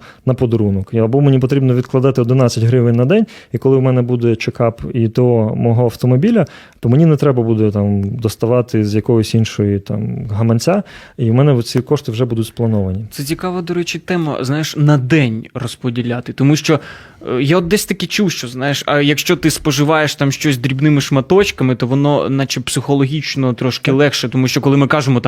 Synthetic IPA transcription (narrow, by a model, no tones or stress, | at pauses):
nɐpɔd̪ɔɾunɔkɐbɔmenʲipɔt̪ɾʲibnɔʋʲid̪̚klˠɐd̪ɑt̪ɪɔd̪nɪnɑt͡sʲɐtʲɦɾɪʋɪnʲnɐd̪ɛnʲikɔlˠɪwmɛnɛbud̪ɛt͡ʃekɑpit̪ɔɦɔmɔɦɔɐwt̪ɔmɔbʲilʲɐ | t̪ɔmenʲinɛt̪ɾɛbɐbud̪ɛt̪ɑmd̪ɔst̪ɐʋɑt̪ɪzjɐkɔɦɔsʲinʃɔjit̪ɑ̰mɦɐmɐnʲt͡sʲa | iwmɛnɛɔt̪t͡sʲikɔʃt̪ɪwʒɛbud̪ʊtʲsplˠɐnɔʋɐnʲit̪sɛt͡sʲikɑʋɐd̪ɔɾɛt͡ʃɪt̪ɛmɐ̰znajɪʃnɐd̪ɛnʲrɔspɔdʲilʲat̪ɪt̪ɔmuʃt͡ʃɔ | jaɔd̪̚d̪ɛsʲt̪ɐkɪt͡ʃuwʃt͡ʃɔznajeʃɐjɐkʃt͡ʃɔt̪ɪspɔʒɪʋɑjeʃt̪ɑmʃt͡ʃɔsʲd̪ɾʲibnɪmɪʂmɐt̪ɔt͡ʃkɐmɪt̪ɔʋɔnɔnɑt͡ʃɛpsɪxɔlˠɔɦʲit͡ʃnɔt̪ɾɔʃkɪlˠɛxʃɛt̪ɔmuʃt͡ʃɔkɔlˠɪmɪkɑʒɪmɔt̪